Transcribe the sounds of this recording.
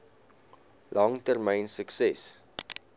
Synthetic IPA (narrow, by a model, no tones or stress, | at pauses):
lɑŋtərmɛjnsəksɛs